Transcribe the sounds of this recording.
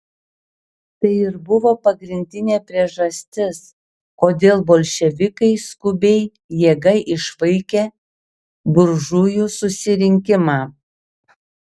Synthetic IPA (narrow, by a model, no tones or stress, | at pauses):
t̪ɐɪɪɾbʊʋoːpɐɡɾʲɪnʲd̪ʲɪnʲeːpʲɾʲiɛʒɐsʲt̪ʲɪs | koːd̪ʲeːlˠboːlʲʃʲɛʋʲɪkɐɪskʊbʲɛɪ | jeːɡɐɪʔɪʃʋɐɪkʲeː | bʊɾʒujusʊsʲɪɾʲɪŋʲkʲɪmɑː